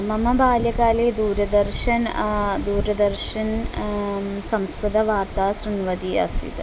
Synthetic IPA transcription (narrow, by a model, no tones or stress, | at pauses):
mɐmɐbʱaːljɐkaːleːd̪uːɾɐd̪ɐrʃɐnd̪uːɾɐd̪ɐrʃɐn | sɐmskɾɨd̪ɐʋaːrt̪aːsɾinʋɐd̪iɐ̰sḭt̪